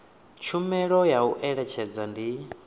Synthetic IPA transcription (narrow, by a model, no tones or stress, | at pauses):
t͡ʃʰumɛɺɔjauʔɛɺɛt͡ʃʰɛd͡zandi